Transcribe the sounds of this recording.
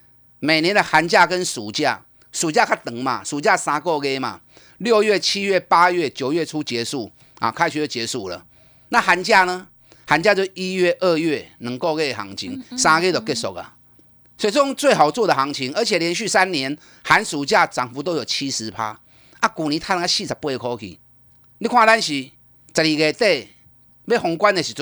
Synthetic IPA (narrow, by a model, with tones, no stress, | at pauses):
me˨˩njɛ˧˦nd̪ə˧˨ha˨˦nt͡ɕja˥˧kə˦nsu˨˩t͡ɕja˥˧ | su˨˩t͡ɕja˥˧kʰa˧˥˩ɪt̪ə˨˩ŋmã̰˨su˨˩t͡ɕja˥˧sã˧kɔ˥˧ɣe˦mã̰˨˩ | ljo˥˧ɥɛ˥˨t͡ɕʰi˦ɥɛ˥˩pa˦ɥe˥˩t͡ɕjo˨˩ʊɥɛ˥˨t͡sʰu˦t͡ɕɛ˨˦su˥˩ | a̰˨˩kʰa˧˦ɪɕy˧˨˩t͡ɕjɛ˧˦su˥˩lə̰˨˩ | nã˥˨˩ha˨˧˦nt͡ɕja˥˧nə˧˦ | ha˨˦nt͡ɕja˥˧t͡ɕjo˥˧i˦ɥɛ˥˧ʔə˥˧ɥe˥˩nə̃˧˦ŋko˥˧ʊɣe˦˩˨ha̰˧˦ŋt͡ɕʰḭ˧˦ŋsã˧ɡe˥˦t̪o˨˩ke˥˧sɔ̰˨˩k̚a̰˨˩ | sɔ˧˥˨i˨t͡sə˧ɔ˥˧ŋt͡swe˥˨ɪɦa˨˩ʊt͡swɔ˥˧d̪ə˨ɦa˨˦ŋt͡ɕʰi˧˦ŋə˧˦t͡ɕʰɛ˨ljɛ˧˦nɕy˥˧sa˦˥nnjɛ˧˦n | ha˨˦nsu˨˦t͡ɕja˥˨t͡sa˨˩ŋfu˧˦t̪o˦ʊjo˨˩t͡ɕʰi˦sɹ̩˨˦pʰa̰˦ | ʔa˦ku˨˩nĩ˨˦t̪ʰa˧˦n˧ŋa˧˦ɕi˥˧˨t͡sʰa˨˩pu˧e˨˧kʰɔ˦kʰḭ˧˨ | li˦kʰwã˥˧ɾa˦nɕi˨ | t͡sa˨li˨˩ɡe˨˩t̪e˥˧ | be˥˦hɔ˨˧ŋkwa˦ne˨ɕi˨˩